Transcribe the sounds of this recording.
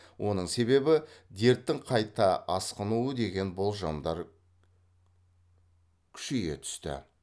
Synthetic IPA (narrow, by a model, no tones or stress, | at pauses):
wʔo̞nəɴse̞βe̞bɪd̪e̞ɾt̪ːɪŋqʰɑjt̪ɑɑsqənuəd̪e̞ɡʲe̞nbolˠʒɑ̰md̪ɑɾ | kʲʰʏ̥ʃeɡʲe̞̰t̪ʰʏ̥st̪ɪ̰